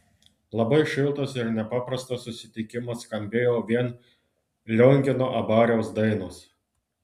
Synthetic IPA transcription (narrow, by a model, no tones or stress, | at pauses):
lˠɐbɐɪʃʲɪlˠt̪oːsɪɾnʲɛpɑːpɾɐst̪osːʊsʲɪt̪ʲɪkʲɪmɐskɐmʲbʲeːjoːʋʲiɛn | lʲɔŋʲɡʲɪnoːʔɐbɑːɾʲɛʊsd̪ɐɪnoːs